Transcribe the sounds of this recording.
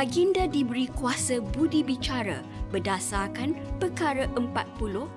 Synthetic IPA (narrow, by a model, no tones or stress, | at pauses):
aɡindadibəɾikuasəbudibit͡ʃaɾə̰ | bədasarkanpəkaɾəʔəmpat̪̚pulʊh